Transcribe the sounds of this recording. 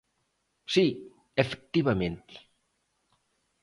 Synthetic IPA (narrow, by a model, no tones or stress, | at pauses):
si | efe̥k̚t̪iβamẽnt̪i̥